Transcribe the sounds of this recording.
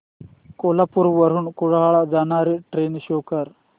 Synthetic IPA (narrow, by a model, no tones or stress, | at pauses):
kolapuɾʋɐɾ̤unkuɻaɦaɭad͡zanaːɾiʈɾeːnɕoːkɐɾ